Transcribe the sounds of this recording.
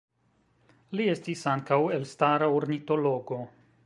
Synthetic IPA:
lie̞stisaŋkawe̞lstaɾaoɾnito̞lo̞ɡo̞

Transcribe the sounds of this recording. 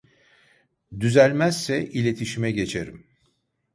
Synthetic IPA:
d̪yzælʲmæz̥sɛʔilʲe̞t̪ʰiʃimɛɟe̞t͡ʃʰeɾim

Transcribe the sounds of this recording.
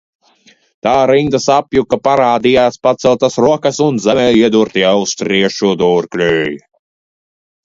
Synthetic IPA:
t̪aːɾind̪asapjukapaɾaːd̪ijaːspat̪sɛlˠt̪asɾuɔkasunzɛmɛːjiɛd̪uɾt̪iawst̪ɾiɛʃud̪uːɾklʲøːj

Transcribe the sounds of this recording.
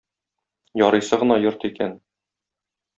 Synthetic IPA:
jɒɾɤ̆jsɤʁɤ̆nɑjoɾt̪ikæn

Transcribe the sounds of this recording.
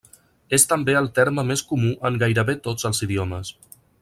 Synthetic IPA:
est̪əmbeəlˠt̪ɛɾməmeskumuʔəŋɡajɾəβet̪od͡zəlˠziðiɔməs

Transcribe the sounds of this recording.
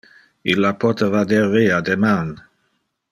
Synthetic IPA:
ilːapʰɔt̪əvad̪ɛʁːead̪eman

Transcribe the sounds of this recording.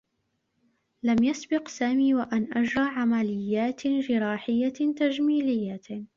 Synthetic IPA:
lamjasbɪqsaːmiːwaʔanʔad͡ʒɾˤɑːʕamalɪjːaːt̪d͡ʒɪɾɑːħɪjːat̪ad͡ʒmiːlɪjːa

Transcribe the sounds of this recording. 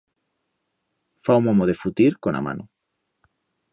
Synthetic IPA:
fawmomoðefut̪iɾkona̰ma̰nʔo

